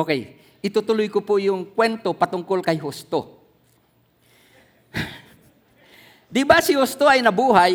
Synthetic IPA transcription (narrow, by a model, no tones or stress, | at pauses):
okɛj | ʔɪt̪ʊt̪ʊlʊjkʊpʊjʊŋkwɛnt̪opɐt̪ʊŋkolkɐjɦʊst̪o̰ | d̪ɪbasɪhʊst̪oɐjnɐbuːɦaj